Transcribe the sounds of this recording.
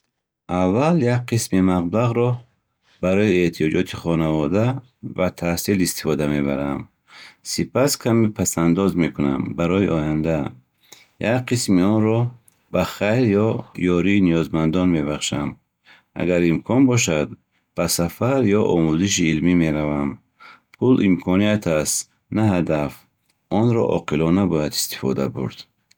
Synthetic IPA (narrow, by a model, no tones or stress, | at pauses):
avaljak̚qʰismimaʁblaʁɾɔ | baɾɔieht̪ʰijɔd͡ʒɔt̪ʰiχɔnavɔd̪a | vat̪ʰahsilist̪i̥fɔd̪ame̞ba̰ɾam | sipʰaskʰamipʰasand̪ɔzme̞kʰuna̰mbaɾɔiɔjand̪a | jakqʰismiɔnɾɔ | baχajɾjɔjɔɾiːnijɔzmand̪ɔnme̞baχʃam | a̰ɡaɾimkʰɔnbɔʃad̪̚ | b̥asafaɾjɔʔɔmuziʃ̬iːlmime̞ɾavam | pʰulimkʰɔnijat̪ʰast̪ | nahad̪af | ɔnɾɔ̰ʔɔ̰qʰilɔnabɔjad̪ist̪i̥fɔ̰d̪abṵɾd̪̥